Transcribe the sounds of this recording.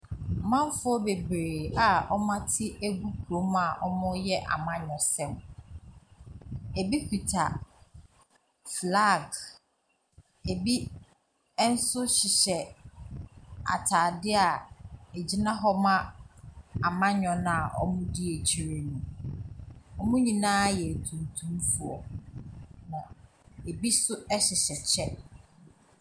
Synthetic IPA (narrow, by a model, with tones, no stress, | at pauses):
mã˦m˦fʊ˦ɔ˦be˨bɾeː˨a˨ɔ˦mã˦tʰɪ˦æ˦ɡu˦kʰu˨ɾo˨˦ma˦˨ʔɔ˦mʊ̃˦jɛ˦ʔa̰˨mã˦ɲᶣɔ̃˨sɛ̃˦˨m | e˨bi˦pʰi˨tʰa˨ | fla˦˨ɡ | e˨bi˦ | n̩˦sʊ˦ɕɪ˨ɕɛ˨ | a̰˨tʰa˨dɪ˦a˨e˨d͡ʑi˦nã˦ɦɔ˦mã˦ | a˨mã˦ɲᶣɔ̃˨nã˦a˨ʔɔ̰˦mũ˦dɪ˦e˨t͡ɕʰi˨ɾe˨nũ˨ | ɔ˦mũ˦ɲĩ˨nãː˦jɛ˨tʰũ˨n˨tʰũ˦mfu˨ɔ̰˨ | nã˨ | e˨bi˦sʊ˦ɛ˦ɕɪ˨ɕɛ˨t͡ɕʰɛ˦